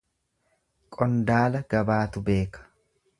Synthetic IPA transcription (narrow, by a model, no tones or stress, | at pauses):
kʼɔnd̪aːlɐɡ̥ɐbaːt̪ʊbe̞ːkɐ̥